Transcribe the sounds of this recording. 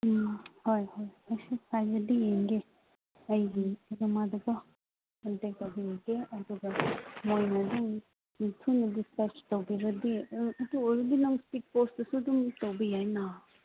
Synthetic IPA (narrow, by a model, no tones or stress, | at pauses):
hojhojɐjsukʰajbɐdijeŋɡe | ɐjɡiɾimadubɐ | ɐntek̚tawbɐjaɡeɐd̪uɡɐmojnɐduŋ | itʰunɐdiskɐstowbiɾɐdiɐduojɾɐdinɔŋspik̚postɐsudumtowbɐjajna